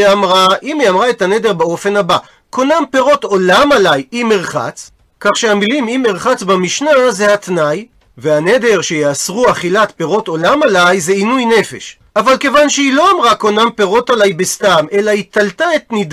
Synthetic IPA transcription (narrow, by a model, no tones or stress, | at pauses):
amʁaʔimiamʁae̞thane̞d̪e̞ʁbao̞fe̞nhaba | kʰo̞nampe̞ʁo̞to̞lamalajimeʁχa̰t͡s | kaχʃeamilimimeʁχat͡sbamiʃnazehat̪naj | veaned̪e̞ʁʃe̞jeasʁuaχilatpe̞ʁo̞to̞lamalajzeinujne̞fe̞̰ʃ | ʔavalke̞vanʃeilo̞amʁako̞nampe̞ʁo̞talajbestamelait̪altaet̪nid